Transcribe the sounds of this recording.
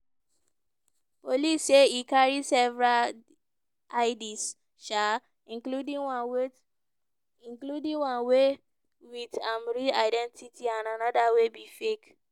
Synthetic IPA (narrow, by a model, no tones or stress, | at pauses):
poliseikaɹisɛvɹal | aɪdis | ʃa | ĩkludĩwwe | ĩnkludĩwãnwe | witãmɹiaɪdɛ̃ntitʰiãnanɔdawebifek